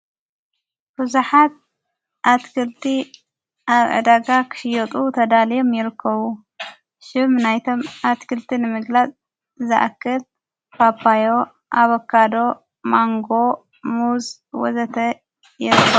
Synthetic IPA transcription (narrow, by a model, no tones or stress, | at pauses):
b̥ɨzuħat̪̚ | ʔat̪kʰɨlt̪ʰi | ʔaβʕɨ̰d̪aɡakʰɨ̥ʃɪjɔt̪ʼut̪ʰɐd̪alijomjɪɾɨkʰːɐβu | ʃɨmnajt̪ʰo̞mat̪kʰɨlt̪ʰinɨmɨɡlat͡sʼ | zɨʔa̰kʰːɨl | papːajo | ʔaβokʰːad̪o̞ | maŋɡo̞ | muz | wɔ̰zɐt̪ʰɐ | jɪɾɨkːɐβu